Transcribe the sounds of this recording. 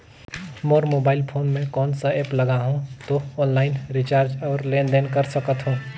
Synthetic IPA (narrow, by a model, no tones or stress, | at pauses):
moːɾmoːbaːɪlpʰoːnmẽkɔːnsaeːpləɡaɦũt̪oɔːnlaːɪnɾit͡ʃaːɾd͡ʒɔːɾlẽːnɖenkəɾsəkət̪ɦũː